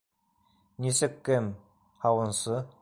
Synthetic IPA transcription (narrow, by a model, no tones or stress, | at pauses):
nʲisɘkːɘm | hɑwɤ̆nsɤ